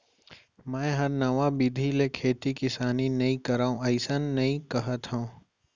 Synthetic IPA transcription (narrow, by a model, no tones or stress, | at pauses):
mɛ̃ːɦɐɾnɐʋãbɪd̪ʱilekʰeːt̪ikɪsaːninɐɦĩkɐɾaːũɐɪsənːɐɦĩkɐɦət̪ɦũː